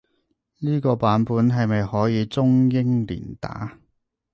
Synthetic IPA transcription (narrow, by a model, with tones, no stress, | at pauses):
niː˥kɔː˧paː˨˥npuː˨˥nɦɐ˨jmɐ˨jhɔː˨˥jiː˨˧t͡sʊ˥ŋjɪ˥ŋlḭː˨˩nt̪a̰ː˨˥